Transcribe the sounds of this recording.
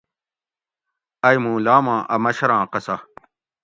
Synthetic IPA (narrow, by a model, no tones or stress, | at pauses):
ɐjmũːlaːmãːʔɐmɐɕɐɾãːqɐsɐ